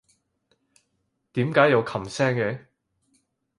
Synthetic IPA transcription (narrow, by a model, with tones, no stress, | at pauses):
t̪iː˨˥mkaː˨˥jɐ˨˧wkʰɐ˨˩msɛː˥ŋe˨˥